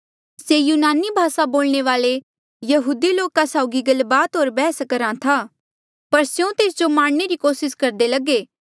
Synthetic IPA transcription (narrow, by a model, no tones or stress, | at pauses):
sejuːnaːnibʱaːsaboːlɳeʋaːle | jɐɦuːd̪iloːkasaʊɡiɡɐlbaːt̪ɦoːɾbɛːskɐɾãt̪ʰaː | pɐɾsjõt̪eːsd͡ʒomãːɽ̃neɾikoːsɪskɐɾd̪elɐɡeː